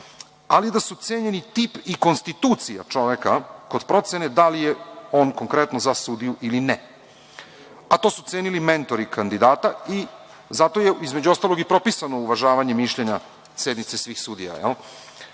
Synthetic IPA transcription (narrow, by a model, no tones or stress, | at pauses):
alid̪asut̪seɲe̞nit̪ipiko̞nst̪it̪uːt̪sija̰t͡ʂo̞ʋekako̞d̪pɾo̞t̪se̞ne̞d̪alijeo̞ːnko̞ŋkɾe̞t̪nozasud̪ijuʔilinɛ | at̪o̞sut̪seːnilime̞nt̪o̞ɾikʰand̪id̪aːt̪ai | zat̪o̞je̞izmed͡ʑuo̞st̪alˠo̞ɡipɾo̞pisano̞uʋaʒaːʋaɲe̞miʃʎeɲa | se̞d̪nit̪se̞sʋiːxsuːd̪ija̰jɛ̰l